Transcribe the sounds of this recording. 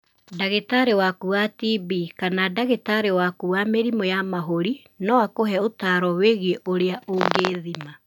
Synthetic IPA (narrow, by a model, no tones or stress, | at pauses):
daɣetaɾewakuatibikanadaɣetaɾewakuwameɾimojamaɦoɾi | nɔakoɦɛotaɾɔweɣeʔoɾeaʔoŋɡeːðima